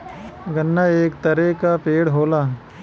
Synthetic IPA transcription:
ɡɐnːaeːkt̪ɐɾekapeːɽɦoːlaː

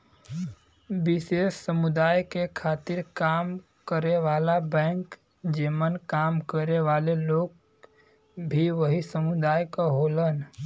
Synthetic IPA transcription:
bɪseʃsəmʊd̪aːjkekʰaːt̪ɪɾkaːm | kəɾeʋaːlabɛ̃ŋk | d͡ʒemənkaːmkəɾeʋaːleloːɡ | bʱiʋəɦisəmʊd̪aːjkaɦoːlən

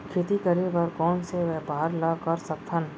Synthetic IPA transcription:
kʰɪt̪ikəɾebɐɾkɔːnseʋɛːbaəɾlakɐɾsɐk̚t̪ʰən

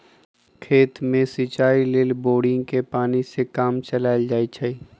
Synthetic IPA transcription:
kʰeːt̪mẽsit͡ʃaːilɪːlboːɽɪ̃ŋɡkepaːnisekaːmt͡ʃɐlaːɪld͡ʒaːit͡ʃʰai

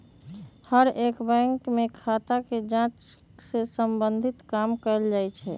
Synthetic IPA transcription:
həɾeːkbɛ̃ŋkmẽkʰat̪aked͡ʒãt͡ʃ | sesəmbənd̪ʱit̪kaːmkəɾəld͡ʒaːjt͡ʃʰɛ̰

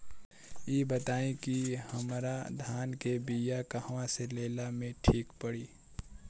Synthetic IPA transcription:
jeːbət̪aːẽkihəmɾad̪ʱaːnkebijakahʋãseleːlamẽʈʰiːkpəɽiː

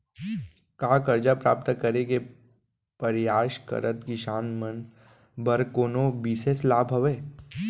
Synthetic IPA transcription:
kaːkəɾd͡ʒapɾa̰ːp̚t̪kəɾeke | pɐɾjaːʃkə̰ɾət̪kiʃaːnmən | bəɾkoːnobiːseslaːbʱɦɐʋeː

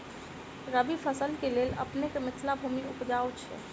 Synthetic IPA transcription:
ɾəbipʰəsəlkeleːlə̰pnekemɪt̪ʰlabʱuːmiʊpd͡ʒaːot͡ʃʰɛ̰

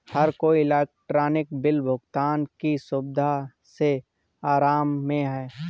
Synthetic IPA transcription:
hɐɾkoiɪlɛːk̚ʈɾaːnɪk̚bɪlbʱʊɡt̪aːnkisʊbd̪ʱa | se | aːɾaːmːẽɦɛː

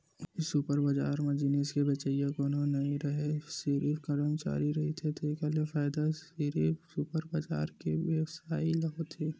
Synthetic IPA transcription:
ɪsupəɾbad͡ʒaːɾmẽd͡ʒɪneːskebet͡ʃaijãkoːnonɐɦĩɾɐɦesiɾifkɐɾəmt͡ʃa̰ːɾiɾɐɦit̪ʰet̪ekalefaːɪd̪asiɾifsʊpəɾbɐd͡ʒa̰ːɾkeʋeʋsaːilɐot̪ʰeː

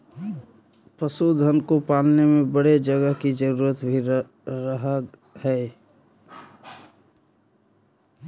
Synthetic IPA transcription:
pəsud̪ʱənkopaːlnemẽbəɽed͡ʒəɡəɦkid͡ʒəɾuːɾət̪bʱi | ɾəɦəhɛː

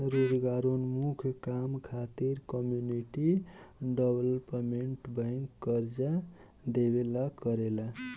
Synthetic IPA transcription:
ɾod͡ʒɡaɾonmukʰkamkʰat̪iɾkʌmjuniʈiɖʌblpmeɳʈbaŋkːʌɾd͡ʒa | d̪ebelakʌɾela

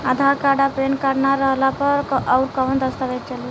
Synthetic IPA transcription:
əd̪ʱakaɖapenkəɾnaɾəɦlapəɾɔʊɾkəʋənd̪əst̪aʋett͡ʃəlːa

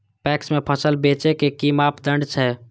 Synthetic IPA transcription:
pɛksmepʰəsəlbet͡ʃekekimapd̪əɳɖt͡ʃʰɛ

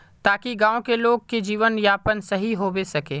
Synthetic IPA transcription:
t̪aːkiɡãːõkeloːɡ̚ked͡ʒiːʋənjaːpənsɐɦiɦobesɐkeː

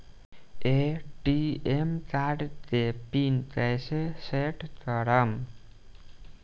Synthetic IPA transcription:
eʈiemkaɖt̪epint̪ajseseʈkʌɾʌm

